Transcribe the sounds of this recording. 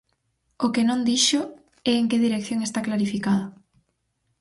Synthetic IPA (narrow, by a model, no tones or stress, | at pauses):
okenõnd̪iʃo | ɛeŋkeðiɾekθjoŋest̪aklaɾifikað̞o